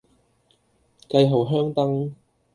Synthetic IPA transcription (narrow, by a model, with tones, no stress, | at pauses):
kɐ˧jɦo˨˩wɦœː˥ŋt̪ɐ˥ŋ